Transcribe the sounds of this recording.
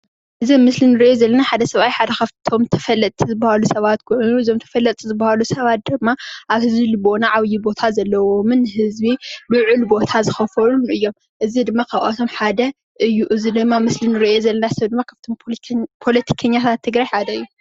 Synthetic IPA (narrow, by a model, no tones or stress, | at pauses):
ʔɨzɐmmɨslinɨɾiʔozɐlːɐnaħad̪ɐsɐβajħad̪ɐkʰaβt̪ʰo̞mt̪ʰɐfɐlːɐt̪ʼʰizɨbːɐhalusɐβat̪̚kʰonuɨzomt̪ʰɐ̥fɐlːɐt̪ʼːizɨbːɐhalusɐβat̪̚d̪ɨmːaʔaβhɨzbilibo̞naʕaβjibo̞t̪ʰazɐlːɐwo̞mɨnhɨzbilɨʕɨlbo̞t̪ʰazɨxɐfɐlunʔɨjːo̞m | ʔɨzid̪ɨmːakʰaβʔat̪ʰo̞mħad̪ɐ | ʔɨjːuʔɨzid̪ɨmːamɨslinɨɾiʔo̞zɐlːɐnasɐβd̪ɨmːakʰaft̪ʰompʰo̞lɐt̪ʰi̥kʰɐɲːat̪ʰat̪ʰːɨɡɾajħad̪ɐɨjːu